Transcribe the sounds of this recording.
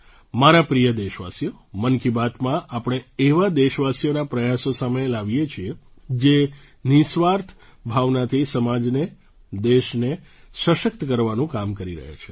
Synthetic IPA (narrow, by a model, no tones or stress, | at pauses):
maɾapɾijəd̪eʃʋa̰sijomənkibat̪mãʔapɽ̃eeʋad̪eʃʋasijonapɾəjasosamelaʋijet͡ʃʰied͡ʒe | nisʋaɾt̪ʰbʱaʋnat̪ʰisəmad͡ʒne | d̪eʃne | səʃək̚t̪kəɾʋanũkamkəɾiɾə̰ɦja̰t͡ʃʰe̥